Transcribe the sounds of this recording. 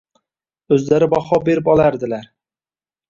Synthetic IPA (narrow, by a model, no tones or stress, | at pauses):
ɵzlaɾɪbɑχɑbeɾɪpɑlˠaɾd̪ɪlæɾ